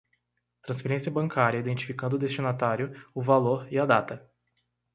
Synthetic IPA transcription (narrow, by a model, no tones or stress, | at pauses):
t̪ɾɐ̃sfeɾẽsiɐbɐ̃ŋkaɾʲjɐid̪ẽnt͡ʃi̥fikɐ̃nd̪ʊd̪est͡ʃinat̪aɾjʊʊvaloɾiad̪at̪ɐ